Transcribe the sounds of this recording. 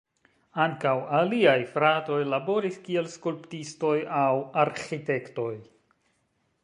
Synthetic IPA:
aŋkawaliajfɾato̞jlabo̞ɾiskie̞lskulptisto̞jawaɾxite̞kto̞j

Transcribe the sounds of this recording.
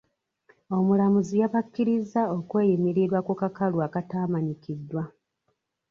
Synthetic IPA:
o̞mulamuzijaβakːiɾizao̞kwe̞ːjimiɾiɾwakukakalwaːkataːmaɲikidːwa

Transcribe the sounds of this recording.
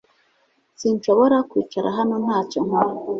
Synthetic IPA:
sinʃo̞βo̞ɾakwiːt͡ʃaɾʔa̰ɦano̞n̥aːcoŋ̥oɾ

